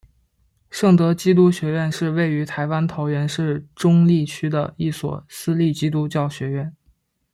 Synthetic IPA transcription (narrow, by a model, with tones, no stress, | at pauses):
ʂɤ˥˩ŋt̪ɤ˧˥t͡ɕi˥t̪̬u˥ɕɥɛ˧˥ɥɛ˥˧nʂɻ̩˥˧we˥˩ɪy˧˥t̪ʰa˧˥ɪwa˥nt̪ʰo˧˥ʊɥɛ˧˥nʂɻ̩˥˩ʈ͡ʂʊ˥ŋli˥˩t͡ɕʰy˥d̪ə̰˨i˥˩swɔ̰˨˩sɹ̩˥li˥˩t͡ɕi˥t̪̬u˥t͡ɕjɑ˥˩ʊɕɥɛ˧˥ɥɛ˥˩n